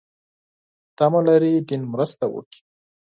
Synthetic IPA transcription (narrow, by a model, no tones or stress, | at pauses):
t̪amalaɾid̪inmɾəst̪awə̰ki̥